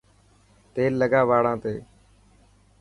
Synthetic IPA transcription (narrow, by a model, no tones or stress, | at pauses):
t̪eːlːəɡaːʋaːɽãːt̪ḛː